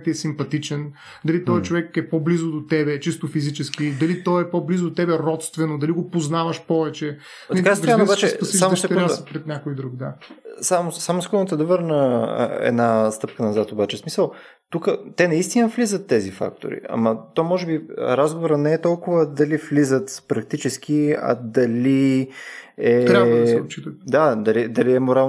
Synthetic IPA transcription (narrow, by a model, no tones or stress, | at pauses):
t̪iɛsimpɐt̪it͡ʃɛn | d̪ɐlit̪ɔjt͡ʃovɛkɛpɔblizod̪ot̪ɛbɛt͡ʃist̪ofizit͡ʃɛskid̪ɐlit̪ɔɛpɔblizod̪ot̪ɛbɛɾɔt̪st̪vɛnod̪ɐliɡopoznavɐʃpɔvɛt͡ʃɛ | t̪kasoɛbat͡ʃɛspɐiaɐʃt̪ɛɾɾasɐpɾɛt̪nʲakojd̪ɾukd̪asamsamʊskɔnt̪ɛd̪ɐvɤɾnə̰ɛ̰d̪nast̪ɤp̚kənɐzat̪obat͡ʃɛsmisəlˠ | t̪ukət̪ɛnɐist̪inəflizət̪ːɛzifa̰k̚t̪o̰ɾḭʔɐ̰mɐt̪omɔʒɛbḭɾazɡovoɾənɛɛt̪ɔlˠkʊvəd̪ɐliflizət̪pɾɐk̚t̪it͡ʃɛsk̟iɐ̰d̪ɐli | ɛɾaabd̪ɛot̪̚t͡ʃit̪ət̪d̪ad̪ɐlid̪ɐliɛmoɾalˠ